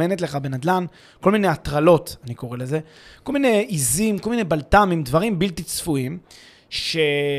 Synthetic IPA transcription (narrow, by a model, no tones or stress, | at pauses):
enetle̞χabenad̪lan | ko̞lmine̞jatʁalo̞taniko̞ʁe̞le̞ze̞ | ko̞lmine̞izimko̞lminebaltamimdvaʁimbiltit͡sfuim | ʃe